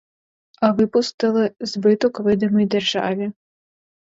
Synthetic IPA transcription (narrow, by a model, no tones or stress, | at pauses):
ɐvɨpust̪ɨlˠɨzbɨt̪ɔkvɨd̪ɐmɔjd̪ʲɛrʐa̰vʲi